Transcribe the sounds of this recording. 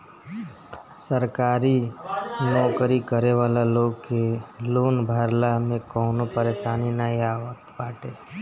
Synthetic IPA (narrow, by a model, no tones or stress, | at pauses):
səɾkaːɾi | nɔːkɾikəɾeʋaːlaloːɡkeloːnbʱəɾlamẽkɔːnopəɾeːʃaːninaiaːʋət̪paːʈeː